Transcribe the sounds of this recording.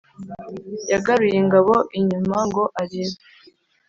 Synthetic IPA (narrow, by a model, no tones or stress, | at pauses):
jaɡaɾujeŋɡaβo̞ʔiɲumaŋɡo̞ʔaɾeɾe